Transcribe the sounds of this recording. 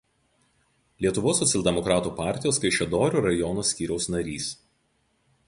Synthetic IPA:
lʲiɛt̪ʊʋoːsːɔt̪sʲɛlʲˠd̪ʲɛmɔkɾɑːt̪uːpɑˑɾʲt̪ʲɪjoːskɐɪʃʲɛd̪oːɾʲuːɾɐjɔːnoːsʲkʲiːɾʲɛʊsnɐɾʲiːs

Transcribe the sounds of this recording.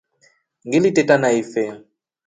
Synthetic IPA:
ŋɡilitɛtanaifɛ

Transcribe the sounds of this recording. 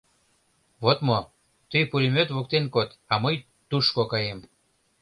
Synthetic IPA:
βot̪mo | t̪əjpulʲimøt̪βok̚t̪enkot̪ɑməj | t̪uʃkokɑjem

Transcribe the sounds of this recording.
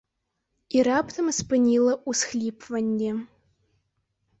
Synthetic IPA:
iɾapt̪ʰɐmɨspɨnʲilˠəʔusxlʲipvɐnʲd̪ʲe

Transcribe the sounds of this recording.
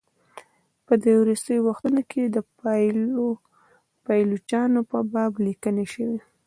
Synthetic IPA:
pət̪eɾoɾɪst̪əjowaxt̪unokʰed̪ə | pɑjlut͡ʃɑnopəbɑblikəneʃəwi

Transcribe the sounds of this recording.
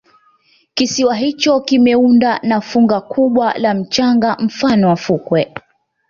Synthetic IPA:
kisiwaɦit͡ʃɔkimɛundanafuŋɡakʰuɓwa̰lam̩t͡ʃaŋɡam̩fanɔwafukwɛ

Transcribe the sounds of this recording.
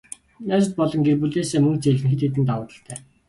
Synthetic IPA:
næːsə̆t̪̚pɔɮɞ̆ŋɡerpuɮeːseːmɵŋkt͡seɮɘ̆ŋxɘ̆t̪et̪̬ɘ̆nt̪awʊːt̪ə̆ɬt̪ʰæː

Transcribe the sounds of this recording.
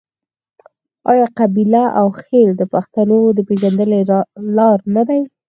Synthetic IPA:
ɑjɑqabilaʔawxeld̪əpaxt̪anod̪əpeʒand̪əlelɑɾnad̪aj

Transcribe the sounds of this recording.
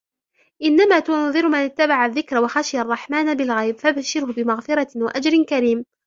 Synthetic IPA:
ʔɪnːamaːt̪unðˤɨɾmanɪt̪ːabaʕaðːɪkɾwaxaʃɪjarˤːɑħmaːnbɪlɣajbfabaʃɪɾhʊbɪmaɣfɪɾˤɑwaʔad͡ʒɾɪnkaɾiːm

